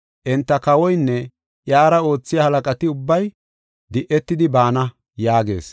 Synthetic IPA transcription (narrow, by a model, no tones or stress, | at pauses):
ʔɛnt̪ːɐkɐwɔjnːɛ | ʔjaːɾɐo̞ːt͡sːɪjɐhɐlɐkʼɐt̪ɪʊbːɐj | d̪ɪʔɛt̪ːɪd̪ɪbaːnɐ | jaːɡe̞̰ːs